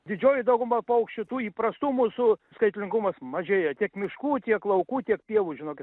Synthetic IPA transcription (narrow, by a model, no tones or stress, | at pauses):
d̪ʲɪd͡ʒʲoːjɪd̪ɐʊɡʊmɐpɐʊkʃʲt͡ʃʲʊt̪uːiːpɾɐst̪uːmuːsʊskɐɪt̪ʲlʲɪŋɡʊmɐsmɐʒʲeːjɛt̪ʲiɛkmʲɪʃkuːt̪ʲiɛklˠɐʊkuːt̪ʲiɛkpʲiɛʋuːʒʲɪnoːkʲɪt̪